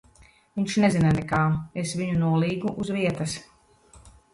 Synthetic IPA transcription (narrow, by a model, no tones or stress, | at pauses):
viɲʲʃnezinanɛkaːesviɲunuɔlˠiːɡuʔuzviɛt̪ɐs